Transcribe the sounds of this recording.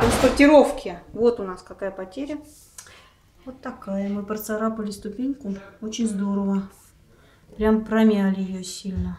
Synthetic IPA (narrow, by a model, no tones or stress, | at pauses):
t̪ɾənspərtʲɪɾo̞fkʲɪvo̞t̪ʊnaskɐkajəpɐtʲeɾʲə | vo̞t̪ːɐkajəmɨpɾət̪sɐɾapəlʲɪst̪ʊpʲenʲkʊot͡ɕɪnʲzd̪o̞ɾəvə | pɾʲampɾɐmʲælʲɪjɪjosʲilʲnə